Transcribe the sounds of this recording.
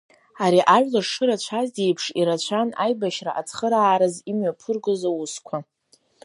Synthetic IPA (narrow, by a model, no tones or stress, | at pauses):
aɾiʔaʒᶣlaʂʂɨɾat͡ɕʷʰazdejpʰʂiɾat͡ɕʷʰanajbaʃraʔat͡sʰχəɾaːɾɨzimɥapʰɨrɡɨzawuskʷʰa